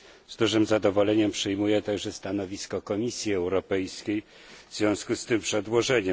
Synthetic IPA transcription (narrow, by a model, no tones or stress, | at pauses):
zd̪uʐɘmzad̪ɔvɔlɛɲɛmpʂɘjmujɛt̪aɡʐɛst̪anɔvʲiskɔkɔmʲisʲjiɛwɾɔpɛjskʲej | vzvʲjɔ̃w̃skust̪ɘmpʂɛd̪wɔʐɛɲɛ